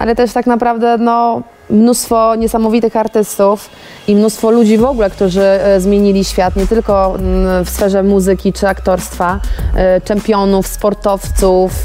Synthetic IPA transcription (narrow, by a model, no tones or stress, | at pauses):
ʔa̰lɛt̪ɛʂt̪aknapɾavd̪ɛnɔ | mnust̪fɔɲɛsamɔvʲit̪ɘxaɾt̪ɘst̪uf | imnust̪fɔlud͡ʑivɔɡulɛkt̪uʐɘzmʲjeɲilʲiɕfʲjat̪ɲɛt̪ɘlkɔfsfɛʐɛmuzɘkʲit͡ʂɘakt̪ɔɾst̪fa | t͡ʂɛmpʲjɔnufspɔɾt̪ɔft̪suf